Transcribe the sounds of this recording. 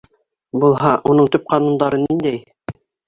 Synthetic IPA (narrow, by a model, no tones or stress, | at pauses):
bulˠɦɑʔunɤɴt̪ɵp̚qɑnund̪ɑɾɤnːind̪æj